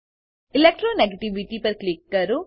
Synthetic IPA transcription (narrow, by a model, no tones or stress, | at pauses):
ɪlɛk̚ʈɾoneɡeʈiʋiʈipɐɾklɪkːɐɾo